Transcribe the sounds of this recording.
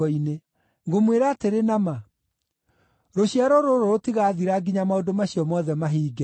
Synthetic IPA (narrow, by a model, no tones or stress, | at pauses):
ɔine | ŋɡomweɾaːteɾenama | ɾoɕjaɾɔɾoɾoɾotiɣaðiɾaɡiɲamaodomaɕiɔmɔðɛmaɦiːɡɛ